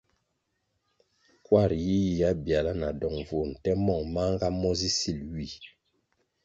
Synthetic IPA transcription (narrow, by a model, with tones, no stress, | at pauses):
kwa˦˨ɾji˦ji˨ja˦bja˨la˦na˨dɔ˨ŋvu˨n̩˨tɛ˦mɔ˦˨ŋma˦ŋ˦ɡa˦mɔ˦zi˦si˦˨lɥi˦˨